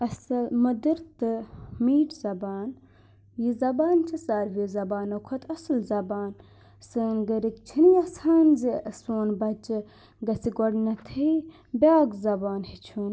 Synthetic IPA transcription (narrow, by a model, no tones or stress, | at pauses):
ɐsɐlmɐd̪ɨɾt̪ɨmiːʈzɐbaːn | jizɐbaːnt͡ʃʰɐsaːɾʋiːzɐbaːnɐkʰɐt̪ʰɐsɨlzɐbaːn | sɨːnɡəɾikt͡ʃʰiniɐsaːnziɐsoːnbɐt͡ʃɨ | ɡɐsiɡoɽnɐt̪ʰɐi | bʲaːɡzɐbaːnhit͡ʃʰuːn